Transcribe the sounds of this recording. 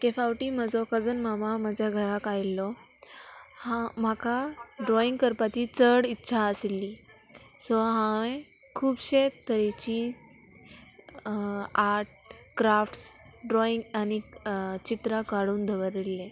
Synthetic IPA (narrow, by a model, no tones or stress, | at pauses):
kefawʈiːm̤əd͡zɔkəd͡zənmamamad͡ʑʱjaɡʱəɾakajlːɔ | hãm̤akʰaɖɾɔiŋɡkəɾpat͡ɕiːt͡səɽitːɕʰaəslːiː | sɔɦãẽ | kʰuːbɕet̪əɾet͡ɕiː | aɾʈ̚ | kɾafʈs | ɖɾɔĩŋɡanit͡ɕit̪ɾakaɽuːnd̪ʱəʋəɾelːe